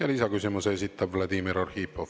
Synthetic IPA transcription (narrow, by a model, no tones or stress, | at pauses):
jɑlisɑkysimuse̞sʲit̪ːˑɑbvlɑd̪imiɾorhiːpːof